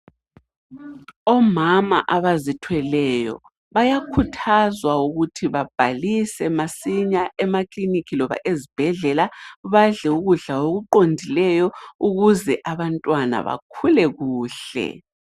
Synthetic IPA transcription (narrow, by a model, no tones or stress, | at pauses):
ɔmama̰ʔaβazitʰwɛlɛjɔ̰ | βajakʰutʰazwauɣutʰiβab̥ʱalisɛmasiɲaʔɛmaklinikʰilɔβa̰ʔezib̥ʱɛɮɛlaβaɮɛuɣuɮaoɣuǃondʱilɛjɔuɣuzɛʔaβantʼwana̰βa̰kʰulɛɣuːɬɛ̰